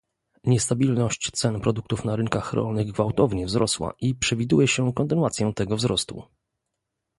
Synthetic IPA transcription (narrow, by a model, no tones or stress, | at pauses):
ɲɛst̪abʲilnɔɕt͡ɕt̪sɛnpɾɔd̪ukt̪ufnaɾɘŋkaxɾɔ̰lnɘɣɡvawt̪ɔvɲɛvzɾʔɔswa̰ʔipʂɛvʲid̪ujɛɕɛkɔnt̪ɘnwat̪sʲjɔ̃w̃t̪ɛɡɔvzɾɔst̪ṵ